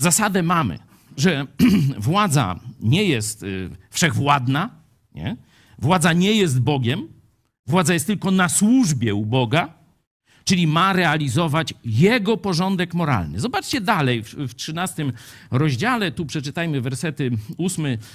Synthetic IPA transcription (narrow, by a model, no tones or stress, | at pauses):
zasad̪ɛmamɘ̰ | ʐɛvwad̪za̰ɲɛjɛst̪fʂɛɣvwad̪na | ɲɛ̰ | vwad̪zaɲɛjɛs̬t̪̚bɔɡʲɛm | vwad̪zajɛst̪ːɘlkɔnaswuʐbʲjɛubɔɡa | t͡ʂɘlʲimaɾɛalʲizɔvat͡ɕjɛɡɔpɔʐɔnd̪ɛkmɔɾa̰lnɘ̰zɔbat͡ʂt͡ɕɛd̪alɛjfftʂɘnast̪ɘmɾɔʑd͡ʑalɛt̪upʂɛt͡ʂɘt̪ajmɘvɛɾsɛt̪ɘusmɘ